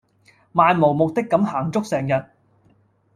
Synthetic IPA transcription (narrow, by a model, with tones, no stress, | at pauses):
maː˧nmo˨˩wmʊ˨k̚t̪ɪ˥kːɐ˨˥mhaː˨˩ŋt͡sʊ˥k̚sɛː˨ŋjɐ˨˩t̚